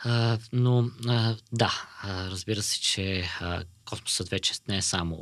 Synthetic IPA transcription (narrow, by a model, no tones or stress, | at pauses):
ənoəd̪aəɾəzbiɾəsɛ̥t͡ʃɛəkɔsmo̥sət̪vɛt͡ʃɛ̥nɛɛsamo̰